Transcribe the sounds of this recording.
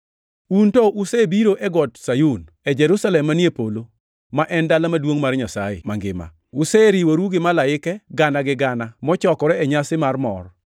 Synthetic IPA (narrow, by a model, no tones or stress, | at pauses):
untɔʔʊsɛbiɾoʔɛɡɔtsajun | ɛd͡ʒɛɾusalɛmːaniepolo | maʔɛndalamadwoŋmarɲasaɪ̰maŋɡɪ̰ma̰ | ʊsɛɾiwoɾuɡɪmalaɪkɛɡanaɡɪɡanamɔt͡ʃɔkɔɾɛɛɲasɪmarmɔ̰r